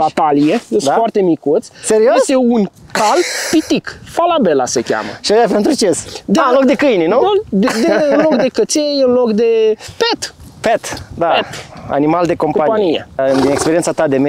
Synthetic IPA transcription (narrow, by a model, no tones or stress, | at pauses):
bat̪alijesfoart̪e̞mikut̪sʲseɾioest̪e̞un | kalp̪it̪ikfalabe̞la̰sekʲa̰mə̰ʃioapent̪ɾut͡ʃesd̪anlok̚d̪e̞kɨjnenud̪eɨnlokd̪e̞kət̪sejɨnlokd̪e̞pet̪pet̪d̪aeta̰nimald̪e̞ko̞mpaanijḛd̪inekspeɾient̪sat̪ad̪eme